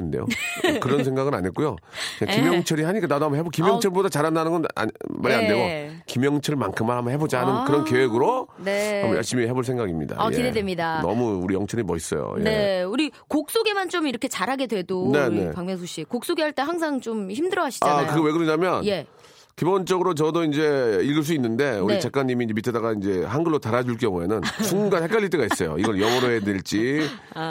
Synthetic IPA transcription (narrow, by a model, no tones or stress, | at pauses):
nde̞̰jo̰kɯɾʌnsʰeŋɡaɡɯna̰ɲek͈ujo | kɯɲakimjʌŋt͡ɕʰʌɾiɦaɲik͈anadoɦambʌɦebokimjʌŋt͡ɕʰʌɭbodat͡ɕaɾandanɯnɡʌna̰maɾiandejokimjʌŋt͡ɕʰʌɭmankʰɯmanɦambʌɦebod͡ʑaɦanɯnkɯɾʌnkeweɡɯɾoneamjʌɭɕ͈imiɦe̞boɭsʰeŋɡaɡimɲḭda̰ajeidedwemɲidanʌ̰muuɾijʌŋt͡ɕʰʌɾimʌɕis͈ʌ̰jo̰jene̞uɾikok̚s͈oɡe̞mant͡ɕomiɾʌkʰe̞t͡ɕaɾɦaɡe̞dwe̞done̞nepaŋmjʌsʰoɕ͈ikok̚s͈oɡeɦaɭt͈e̞ɦaŋs̬ʰaŋt͡ɕomçimdɯɾʌwaɕʰi̥akkɯɡʌweɡɯɾʌɲamjʌnje | kibont͡ɕ͈ʌɡɯɾot͡ɕʌdoind͡ʑe̞iɭɡɯɭs̬͈uinːɯnde̞unit͡ɕak͈aɲːimiːnd͡ʑemitʰedaɡaind͡ʑe̞hanɡɯɭːotaɾad͡ʑuɭk̬͈jʌŋue̞nɯnt͡ɕʰunɡanhek͈aʎːit͈ʰeɡais͈ʌjo̰iɡʌɭjʌmʌɾoɦedeɭt͡ɕ͈i